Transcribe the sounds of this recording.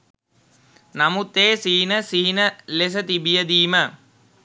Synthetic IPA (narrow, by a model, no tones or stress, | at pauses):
namut̪ːeːsiːinəsiɦinəles̬ət̪ibijəd̪iːmə